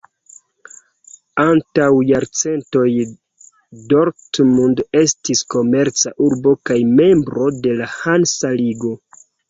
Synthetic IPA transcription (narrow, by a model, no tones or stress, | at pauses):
antawjaɾt͡se̞nto̞j | do̞ɾtmunde̞stisko̞me̞ɾt͡saʔuɾbo̞kajme̞mbɾo̞de̞lahansaliɡo̞